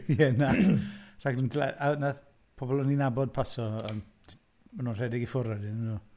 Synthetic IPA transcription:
iɛnar̥aɡnəntʰila̰ʔanað | pʰɔbɔlˠəninabɔd̚pʰasɔən | manuːnr̥ɛdɪɡifʊɾɔdɪnnu

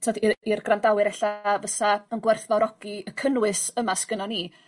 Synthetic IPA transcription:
tʰɔdirɡrandawɨɾɛɬavəθaənɡwɛrθvɔɾɔɡ̥iəkʰənwɨsəmaskənaniː

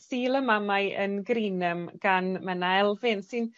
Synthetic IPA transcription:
siːlˠəmamaɨʔə̰nɡrinəmɡ̥anmɛnaɛlˠvɪnsɨn

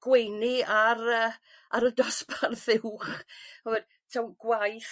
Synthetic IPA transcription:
ɡ̥wejniaɾəː | aɾədɔsparθɪwχhɔvɛd̥ | tʰawɡ̥wajθ

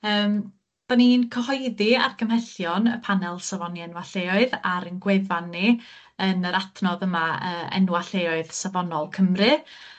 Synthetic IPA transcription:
əːm | b̥aniːnkʰəhɔɨdiarɡʰəmhɛɬjɔnəpʰanɛlˠsavɔniɛnwaɬeːɔɨðaɾənɡwevanːi | ənəɾatʰnɔðəmaəːɛ̰nwaɬeːɔɨðsavɔnɔlˠkʰəmrɨ

